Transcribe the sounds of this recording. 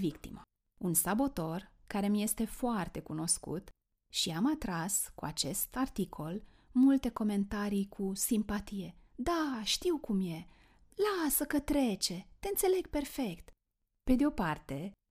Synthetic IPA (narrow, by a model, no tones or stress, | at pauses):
vikt̪ḭmə | unsabo̞t̪o̞rkaɾe̞mje̞st̪e̞foart̪e̞kuno̞skṵt̪ | ʃiamat̪ɾaskuat͡ʃe̞st̪art̪ikʰo̞l | mult̪e̞ko̞me̞nt̪aɾijkʰusimpat̪ije̞d̪aʃt̪iwkumje̞ | lasəkət̪ɾe̞t͡ʃe̞t̪e̞ɨnt̪se̞le̞ɡ̚pe̞rfe̞kt̪ | pe̞d̪eo̞part̪e̞